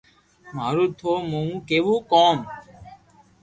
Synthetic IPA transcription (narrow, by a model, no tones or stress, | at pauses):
maɾud̪ʰʱomoũkebukɔn